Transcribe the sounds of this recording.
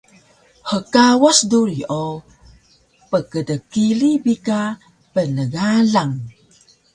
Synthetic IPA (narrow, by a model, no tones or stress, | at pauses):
həkawasduɾiʔo | pəkədəkilibika | pənəɣaɮaŋ